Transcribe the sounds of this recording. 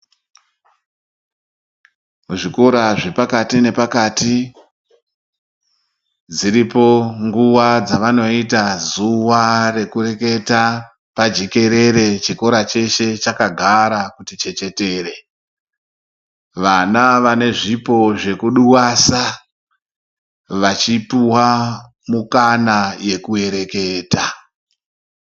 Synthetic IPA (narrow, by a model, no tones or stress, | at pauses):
muʐiko̞ɾaʐe̞pakatine̞pakati | d͡ziɾipo̞ŋɡuwad͡zaʋano̞itazuware̞kure̞ke̞ta | pad͡ʒeke̞ɾe̞ɾe̞t͡ʃiko̞ɾat͡ʃe̞ʃe̞t͡ʃakaɡʱaɾakutit͡ʃe̞t͡ʃe̞te̞ːɾe̞ | ʋanaʋane̞ʐipo̞ʐe̞kuɗuwasa | ʋat͡ʃipuwa | mukanaje̞kue̞ɾe̞ke̞ːta